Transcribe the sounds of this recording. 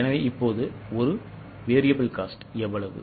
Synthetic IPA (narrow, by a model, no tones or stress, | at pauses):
ɛnɐʋeːɪpːoːðɯɔɾɯ | ʋeːɾɪjɐbɐlkaːsʈɛʋːɐɭɐʋɯ̰